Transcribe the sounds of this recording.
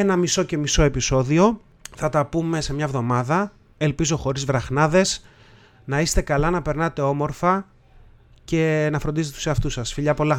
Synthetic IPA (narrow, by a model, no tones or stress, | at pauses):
enɐmiso̞ce̞miso̞e̞piso̞ðio̞ | θɐt̪ɐpume̞se̞mɲɐvðo̞mɐðɐ | e̞lpizo̞xo̞ɾizvɾɐxnɐðe̞s | nɐist̪e̞kɐlɐnɐpe̞ɾnɐt̪e̞o̞mo̞ɾfɐ | ce̞nɐfɾond̪izt̪t̪u̥seɐft̪usɐsfiʎɐpo̞lɐ